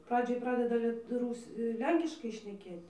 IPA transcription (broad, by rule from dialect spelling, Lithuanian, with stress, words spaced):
ˈprɑːd͡ʒʲoːj ˈprɑːdʲɛdɐ ˈlʲiɛt ˈruːsʲ ˈlʲɛŋʲkʲɪʃkɐɪ ʃʲnʲɛˈkʲeːtʲ